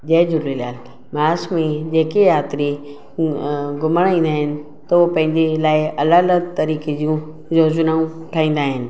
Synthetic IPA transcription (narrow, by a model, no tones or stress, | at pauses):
d͡ʑeːd͡ʑʊɾɾiljaːl | maːsmẽd͡ʑeːkejaːt̪ɾi | ɡʊməɽ̃ĩːn̆d̪aːɦɪnɪ̆ | t̪ɐopɐ̃ɦɪ̃ɲd͡ʑelaːɪɐlaːlət̪ːɐɾiːked͡ʑiũ | zoːzʊnaːũʈʰaːĩːn̆d̪aːɦɪnɪ̆